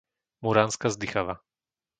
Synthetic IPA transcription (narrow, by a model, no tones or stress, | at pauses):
muɾanskazd̪ixaʋa